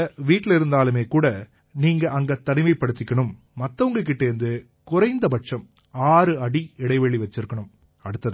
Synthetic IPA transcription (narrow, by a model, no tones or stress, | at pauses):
ʋiːʈːɪlɪɾɯnd̪aːlɯmeːkuːɽɐ | niːŋɡɐʔɐŋɡɐt̪ɐnɪʋɐɪpːɐɽɯt̪ːɪkːɐɳɯmː | ɐt̪ːɐʋɯŋɡɐk̬ːɪʈːeɾɯnd̪ɯ | kʊɾɐɪnd̪ɐpɐʈʂɐm | aːɾɯɐɽiɛɽɐɪʋɛɭiʋɐt͡ʃːɪɾɯkːɐɳɯm | ɐɽɯt̪ːɐð